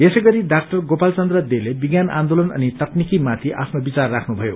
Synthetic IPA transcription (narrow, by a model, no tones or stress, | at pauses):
jesʌjɡʌɾiɖakʈʌrɡopalt͡sʌnd̪rʌd̪elebiɡjanã̰nd̪olʌnʌ̰nit̪ʌknikimat̪ʰiʔa̰pʰnobit͡sarːakʰnubʱʌjo̰